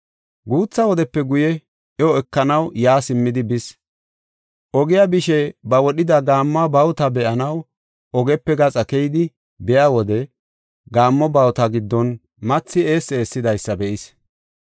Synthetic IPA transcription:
ɡuːt͡sːɐwɔd̪ɛpːɛɡʊjɛ | ʔɛɔɛkːɐnɐwjaːsɪmːɪd̪ɪbɪs | ʔɔɡɪjabɪʃɛbɐwɔɗɪd̪ɐɡaːmːabɐwt̪ɐbɛʔɐnɐw | ɔɡɛpːɛɡɐt͡sʼɐkɛjd̪ɪ | bɛjaːwɔd̪ɛ | ɡaːmːɔbɐwt̪ɐɡɪd̪ːɔn | mɐt͡sːɪe̞ːse̞ːsːɪd̪ɐjsːɐbɛʔɪs

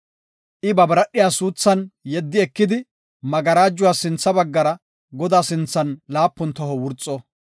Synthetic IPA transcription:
ʔɪbɐbɐɾɐɗːɪjaːsuːt͡sːɐnjɛd̪ːɪɛkːɪd̪ɪ | mɐɡɐɾaːd͡ʒːʊwaːsɪnt͡sːɐbɐɡːɐɾɐ | ɡɔd̪aːsɪnt͡sːɐnlaːpːɔnt̪ɔɦɔwʊɾt͡sʼːɔ

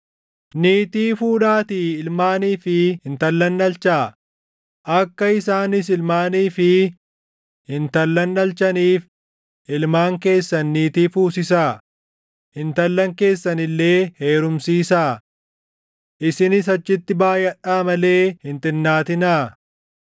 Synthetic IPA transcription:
niːt̪iːfuːᶑaːt̪iːɪlmaːniːfɪhɪnt̪ɐlːɐnːɐlt͡ʃaː | ʔɐkːɐɪsaːnɪs̬ɪlmaːniːfɪ | hɪnt̪ɐlːɐnːɐlt͡ʃɐniːf | ɪlmaːŋke̞ːsːɐnːiːt̪iːfuːsɪsaː | hɪnt̪ɐlːɐŋke̞ːsːɐnɪlːe̞ːhe̞ːɾʊmsiːsaː | ʔɪsɪnɪs̬ɐt͡ʃːɪt̪ːɪbaːjɐᶑaːmɐle̞ːhɪnt̪ɪnːaːt̪ɪnaː

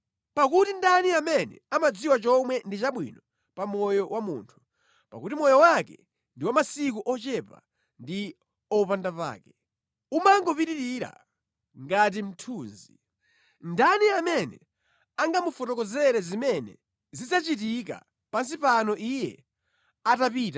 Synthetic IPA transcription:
pakutindaniamɛnɛ̰amad͡ziwat͡ʃɔmwɛndit͡ʃaɓwḭnɔ | pamɔjɔwamṵːntʰu̥ | pa̰kutimɔjɔwakɛ | ndiwamasik̬uʔɔt͡ʃɛpa̰ | ndi | ɔpandapa̰ːkɛ | umaŋɡɔpiɾiɾiɾa̰ | ŋɡat̬im̩tʰuːnzi | ndaniamɛnɛ̰ | aŋɡamufɔtɔkɔzɛɾɛzimɛnɛ̰ | zit͡sat͡ʃitik̬a̰ | pans̬ipanɔʔijɛ̰ | atapiːta

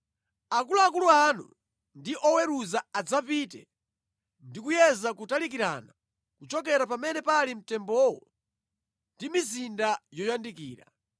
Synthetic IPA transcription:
akuluakuluanṵ | ndiʔɔwɛɾuzaad͡zapiːtɛ̰ | ndikujɛzakutalikiɾa̰na | kut͡ʃɔk̬ɛɾapamɛnɛpalim̩tɛmbɔwɔ̰ | ndimizindajɔjandikiːɾa̰

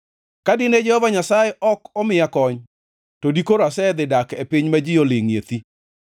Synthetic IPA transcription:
kadɪned͡ʒɛhɔvaɲasajɛʔɔkɔmɪjakɔɲ | todikoɾoasɛd̪ɪdakepiɲmad͡ʒɪjolɪŋjḛt̪i

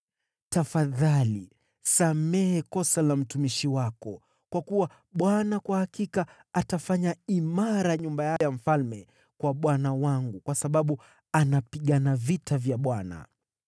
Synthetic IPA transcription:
tafaðali | samɛhɛkɔsalam̩tumiʃiwakɔ | kwakuwa | ɓwanakwahakikaː | tafaɲaimaɾaɲumbajajam̩falmɛ | kwaɓwanawaŋɡukwasaɓaɓu | anapiɠanavitavjaɓwana̰

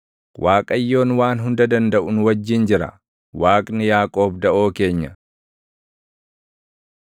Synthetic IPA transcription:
wʔaːkʼɐjːo̞ːnwaːnɦʊnd̪ɐd̪ɐnd̪ɐʔʊnʊwɐd͡ʒːɪnd͡ʒɪɾɐ̰ | waːkʼnɪjaːkʼo̞ːbd̪ɐʔoːke̞ːɲːɐ

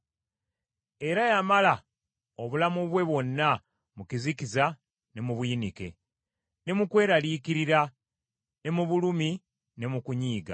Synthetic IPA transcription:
e̞ɾajamala | oβulamuβwe̞βwo̞nːa | mukizikiza | ne̞muβujinike̞̰ | ne̞mukwe̞ːɾalikiɾiɾa | ne̞muβulumi | ne̞mukuɲiːɡa̰

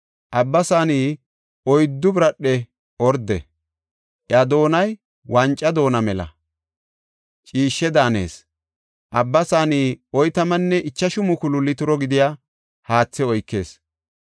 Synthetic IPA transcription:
ʔɐbːɐsaːniː | ɔjd̪ːʊbɾɐɗːɛ | ʔɔɾd̪ːɛ̰ | ʔjad̪o̞ːnɐj | wɐnt͡ʃʼːɐd̪o̞ːnɐmɛlɐ̰ | t͡ʃʼiːʃːɛd̪aːne̞̰ːs | ʔɐbːɐsaːniːɔjt̪ɐmɐnːɛʔɪt͡ʃːɐʃʊmʊkʊlʊlːɪt̪ʊɾɔɡɪd̪ɪjaː | haːt͡sːɛɔjkːe̞̰ːs

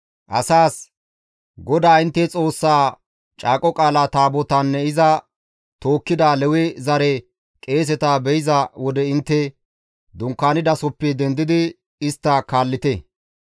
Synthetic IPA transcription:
ʔɐ̰saːs | ɡɔd̪aːɪnt̪ːɛt͡sʼo̞ːsːaː | t͡ʃʼaːkʼɔkʼaːlaːt̪aːbɔt̪ɐnːɛɪzɐ | t̪o̞ːkːɪd̪aːlɛwɛzɐɾɛ | kʼe̞ːs̬ɛt̪aːbɛjɪzɐwɔd̪ɛɪnt̪ːɛ | d̪ʊŋkːaːnɪd̪ɐsɔpːɛd̪ɛnd̪ɪd̪ɪ | ɪst̪ːakaːlːɪt̪ɛ

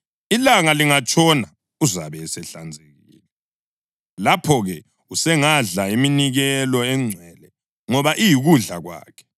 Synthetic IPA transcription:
ilaŋaliŋat͡ʃʼɔna | uzaβɛsɛɬa̰nd͡zʱeɣḭːlɛ | lapʰɔɣɛ | usɛŋaɮaiminiɣɛlɔɛŋ͡ǀʱwɛlɛ | ŋɔβaʔijiɣuɮa̰ɣwa̰ːkʰɛ̥

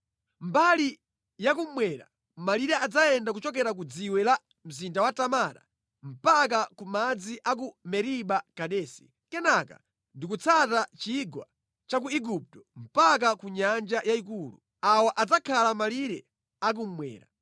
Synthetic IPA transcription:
mbali | jak̬um̩mwɛɾa̰ | maliɾɛad͡zaɛndak̬ut͡ʃɔk̬ɛɾak̬ud͡ziwɛla | m̩zindawatamaɾa̰ | m̩pak̬akumad͡ziʔak̬umɛɾiɓakaɗɛːsi̥ | kɛnaka̰ | ndik̬ut͡sʰatat͡ʃiɡwa̰ | t͡ʃak̬uiɡup̚tɔ̥m̩pak̬akuɲand͡ʒajaik̬uːlṵ | awaʔad͡zakʰalamaliɾɛ | ak̬um̩mwɛ̰ːɾa̰

